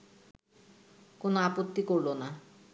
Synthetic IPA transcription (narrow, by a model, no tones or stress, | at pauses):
konoapot̪ːikoɾlona